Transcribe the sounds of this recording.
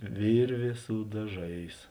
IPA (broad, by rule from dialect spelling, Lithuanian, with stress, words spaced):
ˈʋʲɪrʲʋʲeː sʊ dɐˈʒɐɪs